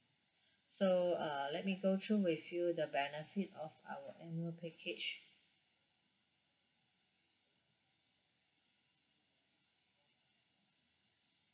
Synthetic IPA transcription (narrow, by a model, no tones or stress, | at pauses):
soʌlɛt̚miɡotʰuwɪfjudəbɛnəfitɔfa̰wəʔɛnəlpʰɛkʰet͡ʃ